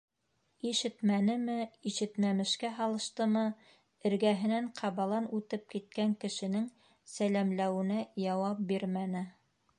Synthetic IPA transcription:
iʃɘt̪mænɘmɘiʃɘ̆t̪mæmɘ̆ʃkæɦɑlˠɤ̆ʃt̪ɤmɤ | ɘ̆ɾɡæɦɘ̆næɴqʰɑβɑlˠɑnʉt̪ɘp̚kit̪̚kæŋkɘ̆ʃɘ̆nɘŋ | sælæmlæwɘ̆næjɑwɑp̚biɾmænɘ

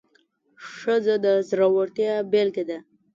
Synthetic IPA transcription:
ʂəzod̪əzɾawaɾt̪jabelked̪a

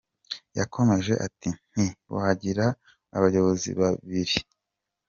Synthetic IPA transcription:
jakʰo̞me̞ʒe̞ʔatin̥hiβṵhaɟiɾaː | βajo̞βo̞zḭβaβiɾi

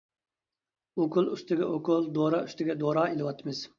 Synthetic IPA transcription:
okʰʊlˠyst̪ɪɡʲɛʔokʰʊlˠd̪oɾɑy̥st̪ɪɡʲɛd̪oɾɑːelɪwɑt̪ʰːɨmɪz̥

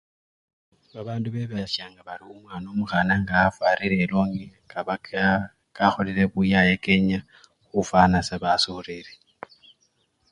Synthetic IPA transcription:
βaβaːnduβeβaʃaːŋɡaβaɾiumwanomuɣanaŋɡaːfaɾiɾɛloŋikaa | kʼaxoliɾeβujajekʼeɲa | xufanasaβasuriɾi

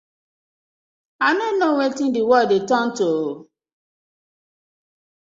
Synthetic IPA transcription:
aɪnonowetĩndiwɔdetɔnto

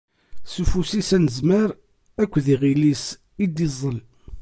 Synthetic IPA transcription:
sufusisænəzməɾ | ækʷːðiʁilis | id̪izˤəl

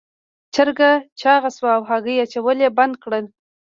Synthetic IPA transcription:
t͡ʃəɾɡat͡ʃɑɣaswaawɦɑɡəjat͡ʃawəleband̪̚kɽəl

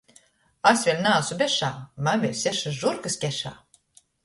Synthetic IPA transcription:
asʲvʲelʲnaːsubʲɛʃaːmanvʲelʲsʲɛʃasʒuɾɡaskʲɛʃa̰ː

